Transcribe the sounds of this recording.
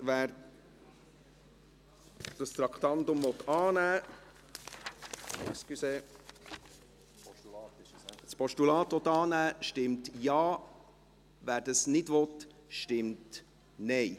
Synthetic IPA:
ʋæːɾ | d̥ɑst̪ɾɑkʰt̪ɑnt̪ʊmvɔt̪ːɑːnæː | kskyseː | spɔʃtulɑːt̪ʋɔt̪ːɑːnæːʃtɪmtjɑː | væːɾdɑsnɪdʋɔt | ʃtɪmt | nɛɪ

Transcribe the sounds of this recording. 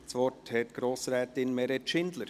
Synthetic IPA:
sʋɔthɛt̪ɡ̥ɾoːsɾɛːtɪnmɛɾɛtʃɪnd̪ləɾ

